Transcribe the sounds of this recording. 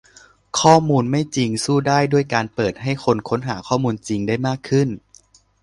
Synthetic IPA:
kʰɔː˥˩muː˧nma˥˩jt͡ɕi˧ŋsuː˥˩daː˥˩jdu˥˩əjkaː˧npɤː˨˩t̪̚ɦa˥˩jkʰo˧nkʰo˧˦˥nɦaː˩˦kʰɔː˥˩muː˧nt͡ɕi˧ŋdaː˥˩jmaː˥˩kʰːɯ˥˩n

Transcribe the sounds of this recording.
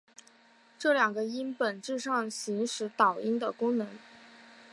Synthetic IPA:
ʈ͡ʂɤ˥˩ljɑ˨˩ŋɡə˦i˥npə˨˩nʈ͡ʂɻ̩˥˧ʂɑ˥˩ŋɕi˧˥ŋʂɻ̩˧˥t̪ɑ˨˩ʊi˥nd̪ə˨kʊ˥ŋnɤ˧˥ŋ

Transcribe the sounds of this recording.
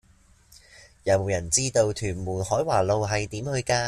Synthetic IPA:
jɐ˨˧wmo˨wjɐ˨˩nt͡siː˥t̪o˧wt̪ʰyː˨˩nmuː˨˩nhɔː˨˥jwaː˨˩lo˨˧wɦɐ˨jt̪iː˨˥mhɵ˧ɥkaː˧

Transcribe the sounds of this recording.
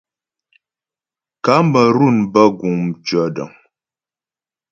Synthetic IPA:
ka˨˦m˦bə˨ɾu˦˨nbə˦ɡu˨mt͡ʃə˨˦də̰˨ŋ

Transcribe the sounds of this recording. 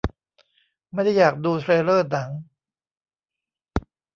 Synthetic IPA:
ma˥˩jda˥˩jːaː˨˩k̚duː˧t̪ʰɾeː˧lɤː˥˩na˩˦ŋ

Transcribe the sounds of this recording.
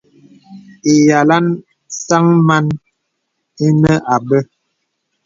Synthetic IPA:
e˨ja˨la˦n | sa˦ŋma˦n | i˦nə˦ʔa˨bə˦

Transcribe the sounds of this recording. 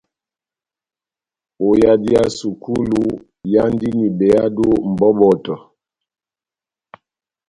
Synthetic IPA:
o˨ja˨di˦a˦su˨ku˦lu˦ | ja˦n˦di˦ni˨bɛ˨a˦do˦m̩˨bɔ˦bɔ˨tɔ˨

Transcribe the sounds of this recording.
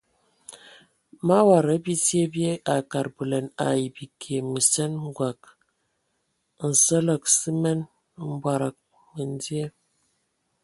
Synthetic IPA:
ma˦wa˨ɾə˨˦bi˦tje˦bje˦ʔa˨ka˨ɾbə˨lə˨na̰˨ji˨bi˨kʰe˨mə˨sɛ˦nŋ˦ɡwa˨k̚ | n̩˨sə˦lə˨ksi˦mɛ˦n˦ | m̩˦bwa˨ɾa˨k̚ | mə˨n˦di˦e˦

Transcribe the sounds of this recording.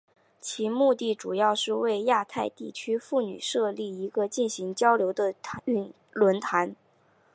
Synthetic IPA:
t͡ɕʰi˧˥mu˥˧t̪i˥˩ʈ͡ʂu˨˩jɑ˥˧ʊʂɻ̩˥˧we˥˧ɪja˥˧t̪ʰa˥˧ɪt̪i˥˩t͡ɕʰy˥fu˥˩ny̰˨˩ʂɤ˥˧li˥˩i˧˥ɡə˧t͡ɕi˥˩nɕi˧˥ŋt͡ɕjɑ˥ʊljo˧˥ʊd̪ə˧y˥˩ | lwə˧˥nt̪ʰa˧˥n

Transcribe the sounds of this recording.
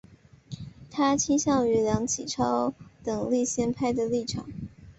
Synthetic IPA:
t̪ʰa˥t͡ɕʰi˥ŋɕjɑ˥˩ŋy˧˥ljɑ˧˥ŋt͡ɕʰi˨˩ʈ͡ʂʰɑ˥ʊt̪ɤ˨˩ŋli˥˩ɕjɛ˥npʰa˥ɪd̪ə˨li˥˩ʈ͡ʂʰɑ̰˨˩˦ŋ

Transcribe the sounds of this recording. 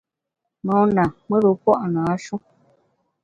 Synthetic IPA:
nɔ˨˦na˨mwe˦bə˨pɔ˦ʔna˨˦ʃu˦

